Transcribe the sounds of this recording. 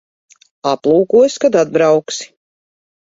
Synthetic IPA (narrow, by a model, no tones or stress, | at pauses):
aplˠuːkuɔskad̪ad̪̚bɾawksi̥